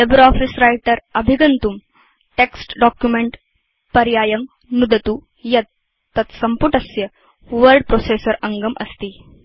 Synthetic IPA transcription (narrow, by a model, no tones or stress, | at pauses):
lebɾɔfisɾajʈəɾəbʱiɡənt̪um | ʈeksʈɖɔkjumeɳʈ | pɐɾjajəm | nud̪ət̪u | jɐt̪̚ː | ɐt̪sɐmpuʈəsjə | ʋəɾɖpɾosesəɾɐŋɡəmʔə̰st̪iː